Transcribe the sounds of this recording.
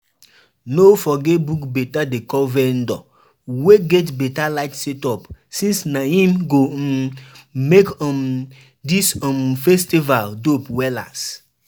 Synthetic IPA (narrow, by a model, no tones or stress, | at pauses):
nofɔɡebukbetadekɔvɛ̃ndɔ̰ | weɡetbetalaɪtsɛtɔpsĩnsnaĩmɡo | mekɔ̃m | disɔ̃mfɛstivaldopwɛla̰s